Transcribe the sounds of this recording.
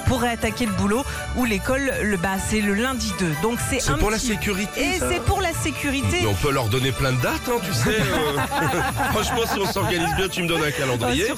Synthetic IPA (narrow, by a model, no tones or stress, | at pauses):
puʁɛat̪akʲeləbulo | ulekɔlːəbasɛləlɛ̃d̪id̪ød̪ɔ̃ksɛsɛ̃puʁlasekʲyʁit̪eesɛpuʁlasekʲʰyʁit̪eɛɔ̰̃pølœʁd̪ɔneplɛ̃d̪əd̪at̪ɛ̃t̪ysɛ | χɑ̃ʃmɑ̃siɔ̃sɔʁɡanizbjɛ̃t̪yməd̪ɔnɛ̃kalɑ̃d̪ije